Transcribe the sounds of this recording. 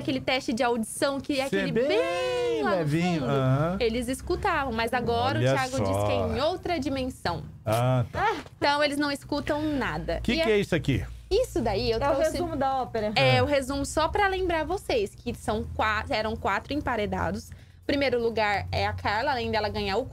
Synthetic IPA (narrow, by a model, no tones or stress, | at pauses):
kelɪt̪ɛst͡ʃɪd͡ʒɪawd͡ʒisɐ̃w̃kɪɛakelɪbebe | ɛfvĩʊ̃elɪziskut̪avɐ̃w̃mɐjzaɡɔɾɐʊt͡ʃiaɡʊd͡ʒiskɪẽj̃owt̪ɾɐd͡ʒimẽsɐ̃w̃att̪ɐ̃w̃elɪznɐ̃w̃ɪskut̪ɐ̃w̃nad̪ɐkikɪɛisʊakḭisʊd̪aiewt̪ɛohezũmʊd̪ɐɔpeɾɐɛʊɦezũmʊsɔpɾɐlẽmbɾaɾvosejskɪsɐ̃w̃kwaɛɾɐ̃w̃kwat̪ɾʊẽpaɾed̪a̰d̪ʊs | pɾimejɾʊluɡaɾɛ̰akʰaɾlɐaːlẽj̃d̪ɛlɐɡɐ̃ɲaɾʊk